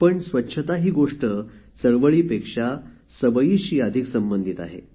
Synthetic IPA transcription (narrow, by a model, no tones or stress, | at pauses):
pəɳsʋətːɕʰət̪aɦiːɡoʂʈəsəɭʋəɭiːpekʂa | səbəiːɕiːad̪ʱiksəmbənd̪ʱit̪a̰ɦḛ